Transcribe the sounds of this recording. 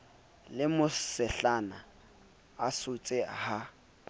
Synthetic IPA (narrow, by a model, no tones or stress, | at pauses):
lɪmʊsɛɬanaː | sʊt͡sʼɪha